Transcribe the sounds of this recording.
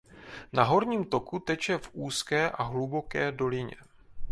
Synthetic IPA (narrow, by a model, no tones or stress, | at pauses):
naɦo̞ɾɲiːmt̪o̞kut̪ɛt͡ʃɛfʔuːskɛːʔaɦlubo̞kɛːdo̞lɪɲɛ̰